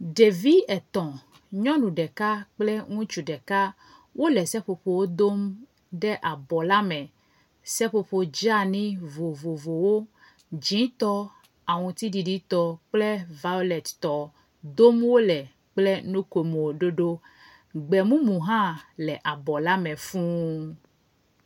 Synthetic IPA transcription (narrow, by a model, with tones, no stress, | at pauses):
ɖe˨vi˦ɛ˨t̪ɔ̃˨ | ɲɔ̃˦nũ˨ɖɛ˨ka˦k͡plɛ˦ŋũ˦t͡ʃu˨ɖɛ˨ka˦ | wʔo˦lɛ˨sɛ˦ɸo˨ɸo˨wo˦d̪o˦m | ɖɛ˦ʔa˨bɔ˨la˦mɛ̃˨ | sɛ˦ɸo˨ɸo˨d͡ʒa˦nĩ˦vo˨vo˨vo˨wo˦ | d͡ʒĩ˨˦t̪ɔ˦ | a˨ŋũ˨t̪i˦ɖi˨ɖi˦t̪ɔ˦k͡plɛ˦va˦o˦lɛ˨t̪t̪ɔ˨ | d̪o˦mwo˦lɛ˨ | k͡plɛ˦nõ˦ko˨mo˨ɖo˦ɖo˦ | ɡ͡bɛ˨mũ˦mũ˨ɦã˦lɛ˨ʔa˨bɔ˨la˦mɛ̃˨fũ˦